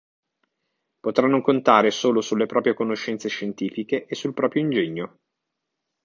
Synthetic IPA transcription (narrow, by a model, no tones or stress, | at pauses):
pot̪ɾanːokont̪aːɾesoːlosulːepɾɔːpɾjekonoʃːɛnt̪seʃːent̪iːfikeʔesːulpɾɔːpɾjoind͡ʒeɲːo